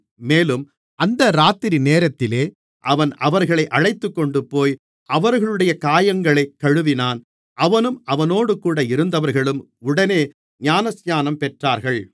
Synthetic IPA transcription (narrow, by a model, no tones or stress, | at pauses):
meːlɯm | ʔɐnd̪ɐɾaːt̪ːɪɾineːɾɐt̪ːɪleː | ʔɐʋɐnɐʋɐɾɣɐɭɐɪʔɐɻɐɪt̪ːɯkːɔɳɖɯpːoːj | ɐʋɐɾɣɐɭɯɽɐjɐkaːjɐŋɡɐɭɐɪkːɐɻɯʋɪnaːn | ʔɐʋɐnɯmɐʋɐnoːɽɯkuːɽɐɪɾɯnd̪ɐʋɐɾɣɐɭɯm | ʊɽɐneː | ɲaːnɐsjaːnɐmpɛʈraːɾɣɐɭ